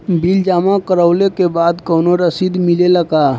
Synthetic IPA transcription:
bild͡ʒamakəɾəʊlekebad̪kəʊnoɾəsid̪mileləka

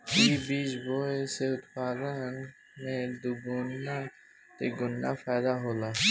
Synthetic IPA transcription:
ibiːt͡ʃboːeseʊt̪faːzan | mẽd̪uɡʊnːa | t̪eɡʊnːaːfaːd̪aːɦoːlaː

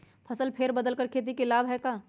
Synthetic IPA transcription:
pʰɐsəlpʰeːɾbɐd̪əlkəɾkʰeːt̪̬ikelaːbɦɛkaː

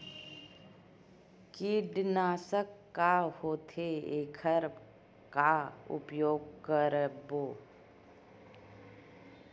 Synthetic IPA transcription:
kiɖnaːsəkːahoːt̪ʰeeːkʰəɾ | kaʊ̰pjoːɡ̚kəɾəboː

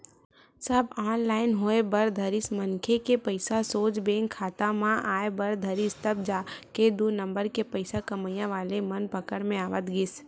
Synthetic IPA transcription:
sɐbaːnlaːɪnɦoːebɐɾd̪ʱəɾɪsmənkʰekepəɪsasoːt͡ʃbẽːŋkʰːaːt̪ãmãʔaːebɐɾd̪ʱəɾɪst̪əb̚d͡ʒaːked̪unə̃mbəɾkepəɪsakɐməjãʋaːlemɐnpəkəɽmẽaːʋət̪ɡɪs

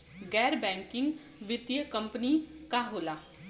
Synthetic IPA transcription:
ɡɛːɾbɛ̃ːŋkɪŋɡ | ʋɪt̪jəkəmpnikaːɦoːlaː

